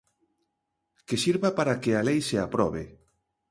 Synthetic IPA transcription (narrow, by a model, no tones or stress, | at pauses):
kesiɾβapaɾakealejseapɾɔβe